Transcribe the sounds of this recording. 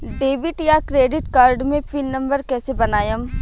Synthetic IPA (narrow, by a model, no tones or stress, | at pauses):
ɖeːbɪʈjakɾeːɖɪʈkaːɾɖmẽpʰilnɐ̃mbəɾkɛːsebɐnaːjəm